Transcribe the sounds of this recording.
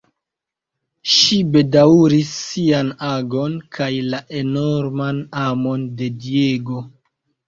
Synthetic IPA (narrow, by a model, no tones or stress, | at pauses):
ʃibe̞dauɾisːianaɡo̞nkʰajlaʔe̞no̞ɾmanamo̞nde̞die̞ɡo̞